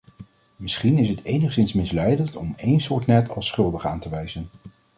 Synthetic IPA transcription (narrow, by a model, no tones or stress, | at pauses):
mɪsχinɪsɦətejnəχsɪnsmɪslɛjdəntɔmejnsʊːɹtnɛtʰɑ̰lˠsχɵlˠdəχaːntəʋɛjzən